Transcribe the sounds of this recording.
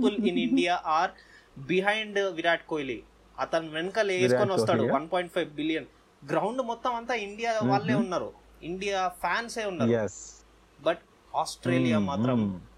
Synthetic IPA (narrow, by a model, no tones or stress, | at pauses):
puliniɳɖijaːʔaːɾ | biɦɐjɳɖʋiɾaːʈ̚koːjli | ɐt̪ɐnuʋenɐkɐleːskoniʋɐt̪aːɽuʋɐnpoːjɳʈ̚pʰɐjʋbilijɐn | ɡɾɐwɳɖmɔt̪ːɐmɐnt̪aːiɳɖijaːʋaːɭːeːunːaːɾu | iɳɖijaːpʰjaːnse̞ːunːaːɾ | bɐʈ | aːsʈɾeːlijaːmaːt̪ɾɐm